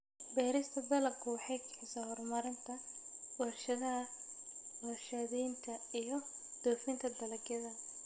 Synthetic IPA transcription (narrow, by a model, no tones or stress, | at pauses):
bɛːɾɪst̪ʰɐbɛlɐkʰʊwɑħɑjkʰɪħɪsaːhɔrmɐɾɪnt̪ʰɐ | wɛrʃɐðɐɦɐ | wɛrʃɐðijnt̪ʰɐijɞd̪̥ɔːfɪnt̪ʰɐd̪ɐlɐɡjɐðɐ